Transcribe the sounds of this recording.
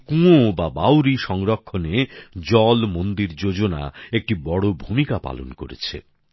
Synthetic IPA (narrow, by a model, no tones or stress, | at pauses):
kũobabawɾiʃɔŋɾokʰːoned͡ʑɔlmond̪iɾd͡ʑod͡ʑona̰ek̚ʈibɔɽobʱumikapa̰lo̰nkoɾḛt͡ɕʰḛ